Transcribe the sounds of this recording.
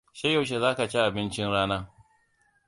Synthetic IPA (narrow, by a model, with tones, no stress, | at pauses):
ʃa˦jːɐ˨wʃ̬e˨zaː˦ka˨t͡ʃe˦ʔa˨bɪ˦nt͡ʃɪ˦nɽaː˦naː˦